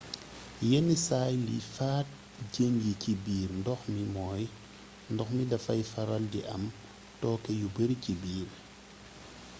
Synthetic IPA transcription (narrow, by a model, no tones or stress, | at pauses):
jɛnːisaːjlḭfaːt̚ | ɟəŋɡicibiːɾndɔxmimɔːj | ndɔxmidɐfɐjfɐɾɐldiʔɐ̰m | tɔːkɛjubəɾicibiːɾ